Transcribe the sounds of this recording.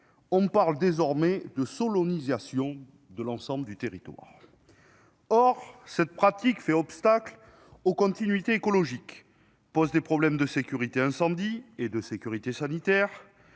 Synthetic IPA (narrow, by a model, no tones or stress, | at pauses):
ɔ̃paʁld̪ezɔʁmɛd̪əsɔlɔnizasjɔ̃ | d̪əlɑ̃sɑ̃bləd̪yt̪eʁit̪wa̰ʁ | ɔʁsɛt̪̚pχat̪ikfɛɔpst̪akl | okɔ̃t̪inɥit̪eekɔlɔʒik | pɔzd̪epχɔblɛmd̪əsekʲyʁit̪eɛ̃sɑ̃d̪ied̪əsekʲyʁit̪esanit̪ɛʁ